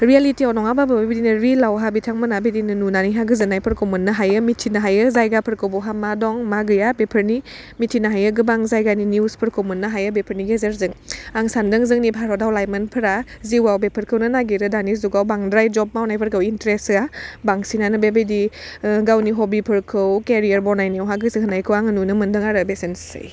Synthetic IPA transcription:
ɾialitiawnɔŋabababebedinɯɾilawɦabitʰaŋmɯnabejdinɯnunaniɦaɡɯzɯnajpʰɯɾkʰowmɯnːɯɦajɯmitʰːinaɦajɯzajɡapʰɯɾkɯwbɔwɦamadɔŋmaɡɯjabepʰɯɾni | mitʰinaɦajɯɡɯbaŋzajɡaniniwspʰɯɾkʰowmɯnːaɦajɯbepʰəɾniɡezeɾzɯŋaŋsandɯŋzɯŋnibʱaɾɔdawlajmənpʰɯɾa | ziwawbepʰɯɾkʰɯwnɯnaɡiɾɯdanizuɡawbaŋdɾajd͡ʒɔb̚mawnajpʰɯɾkʰɯwintɾesabaŋsinanɯbebejdiɡawniɦɔbipʰɯɾkʰɯwkeɾijəɾbɔnajniwɦaɡɯsɯɦɯnajkʰɯwaŋɯnunɯmɯndɯŋaɾɯbesensɯ̰j

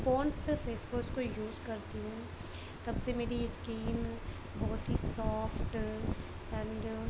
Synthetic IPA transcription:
foːnsfeːsbʊskojuːzkɐɾt̪iɦɛ̃ | t̪ɐbsemeːɾiskiːn | bɔːt̪ɦisɔːfʈ | ɛ̃ɳɖ

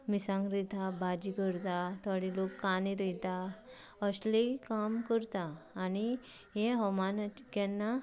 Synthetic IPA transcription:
misãŋɡɾit̪abad͡ʑikəɾt̪at̪aɽilokːaniɾəjt̪a | əslikamkəɾt̪aːni | ɦeɦɔmanat͡ɕi̥kanːa

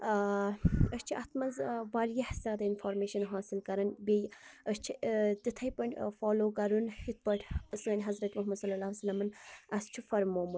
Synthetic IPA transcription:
əst͡ʃʰiɐt̪ʰmɐnzʋɐɾjɐhzʲaːd̪ɐinfoːɾmeːʃɐnɦaːsilkɐɾɐnbejəst͡ʃʰit̪it̪ʰɐjpɐɳʈʲfoːloːkɐɾunhit̪̚pɐʈʰsɐːnʲɦɐzɾɐt̪muɦmɐd̪sɐlːɐlaːsɐlːɐmɐnɐst͡ʃʰufɐɾmoːmu

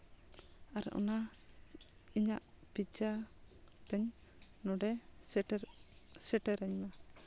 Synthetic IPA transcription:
aɾ̰ʔɔ̰na | iɲaʔ | pid͡ʒa | t̪ɛɲ | nɔɖɛ | sɛʈɛɾɛɲna

